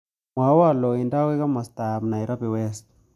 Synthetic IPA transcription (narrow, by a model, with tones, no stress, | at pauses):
mwa˨˦wa˦˨lɔ˨i˨nda˦wɛ˦ka˦ma˨sta˨mna˨i˨ɾa˦pɛ˨wɛ˦st̚